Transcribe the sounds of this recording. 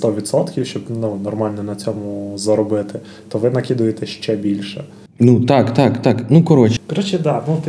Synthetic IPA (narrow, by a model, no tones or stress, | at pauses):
st̪ɔʋʲit̪sɔt̪kʲiwʃt͡ʃɔbnunɔrmɑlʲnɔnɐt͡sʲɔmʊzɐɾɔbɪt̪ɪ | t̪ɔʋɪnɐkʲid̪ʊjet̪ɛʃt͡ʃɛbʲilʲʃɛ | nut̪ɑkt̪ɑkt̪ɑknukɔɾɔt͡ʃkɔɾɔt͡ʃɛd̪ɑnut̪